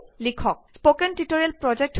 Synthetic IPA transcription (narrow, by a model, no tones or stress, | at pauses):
likʰɔk̚spokɛntitoɹiɛlpɹɔd͡ʒɛk̚t